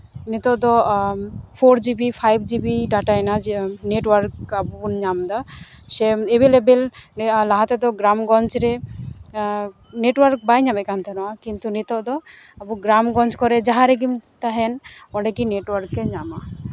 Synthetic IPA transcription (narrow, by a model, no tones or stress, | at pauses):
nit̪ɔd̪ɔ | pʰoɾd͡ʒibipʰajb̚d͡ʒibiɖaʈajnad͡ʒneʈwaɾkabunɲamd̪ɔ | sɛebelebellaɦat̪ɛd̪ɔɡɾamɡɔnt͡ʃɾɛ | neʈwaɾk̚bajɲabɛkant̪ʰɛnɔwakint̪unit̪ɔd̪ɔ | abuɡɾamɡɔ̃nt͡ʃkɔɾɛd͡ʒaɦaɾɛɡimt̪aɦɛnɔ̃ɖɛɡineʈwɔɾkːɛɲama